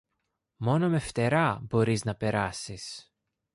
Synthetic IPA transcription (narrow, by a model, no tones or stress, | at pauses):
mo̞no̞me̞ft̪e̞ɾɐbo̞ɾiznɐpe̞ɾɐsis